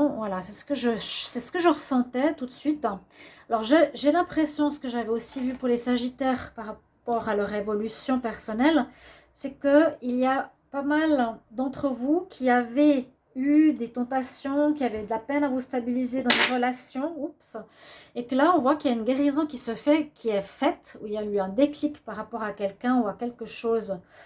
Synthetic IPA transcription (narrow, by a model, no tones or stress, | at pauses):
vwalasɛsə̥kəʒəsɛsə̥kəʒəʁəsɑ̃t̪ɛt̪ut̪sɥit̪ | alɔʁʒɛʒelɛ̃pχɛsjɔ̃sə̥kəʒavɛosivypuʁlesaʒit̪ɛʁpaʁa | pɔʁalœʁevɔlysjɔ̃pɛʁsɔnɛl | sɛkəilia | pamald̪ɑ̃t̪χəvukʲʰiavɛ | yd̪et̪ɑ̃t̪asjɔ̃kʲiavɛyd̪əlapɛnavust̪abilized̪ɑ̃d̪eʁəlasjɔ̃upsekəlaɔ̃vwakiljaynɡʲeʁizɔ̃kʲisəfɛkʲʰiɛfɛt̪uiljayɛ̃d̪eklikpaʁːapɔʁakʲɛlkɛ̃uakʲɛlkəʃoːz